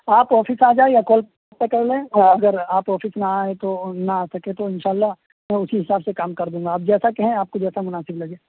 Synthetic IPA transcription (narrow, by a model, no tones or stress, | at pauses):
aːpɔːfɪsaːd͡ʒaːejakoːlp | atpekɐɾlẽːɔːɾɐɡəɾaːpɔːfɪsnaaːet̪onɐaːsɐket̪oɪ̃nʃaːlːaɦ | mɛ̃ːʊsiɦɪsaːbsekaːmkɐɾd̪ũːŋɡaːb̚d͡ʒɛːsakeɦɛ̃aːp̚kod͡ʒɛːsamʊnaːsɪblɐɡeː